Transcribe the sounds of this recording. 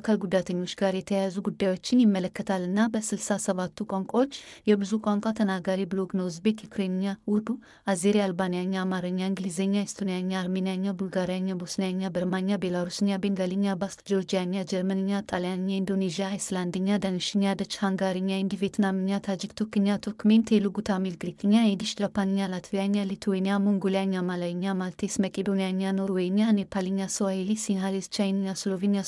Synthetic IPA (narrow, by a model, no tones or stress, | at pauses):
kʰalɡud̪at̪ʰəɲːo̞t͡ʃːɡaɾjɛt̪ʰəjazuɡud̪ːajwo̞t͡ʃːɪnjɪmːələkːət̪ʰalːɨnːabəsɨlsasəβat̪ʰːukʷʼaŋkʷʼaot͡ʃːjɛbɨzukʷʼaŋkʷʼat̪ʰənaɡaɾibɨloɡnowzbe̞t̪jɛkɾenijawud̪u | azeɾijaːlbanijaɲːaːmaɾɨɲːaiŋɡlizeɲːaist̪ʰonijaɲːaːlmenijaɲːabulɡaɾijaɲːabosnijaɲːabəɾmanjabelaɾusɨɲːabeŋɡalɨɲːabast̪ʼd͡ʒo̞ɾd͡ʒijaɲjad͡ʒɛɾmənɨɲːat̪ʼaljanɲːaind̪onezijaisland̪iɲad̪ɐŋiʃiɲad̪ɐt͡ʃhaŋɡaːɾiɲːaind̪ivet̪naːmiɲːat̪ʰad͡ʒikt̪ʰukːiɲjat̪ʰukment̪ʰeluɡut̪ʰaːmilɡɾikiɲːaed̪iʃdapaniɲalat̪ʰvijaɲːalit̪ʰuwenijamuŋɡoliaɲːamalajiɲːamalt̪ʰesmɐkʼed̪onijaɲːanoɾuwenjanepʰaliɲːasowaelisiŋɦalist͡ʃainiɲaslovenja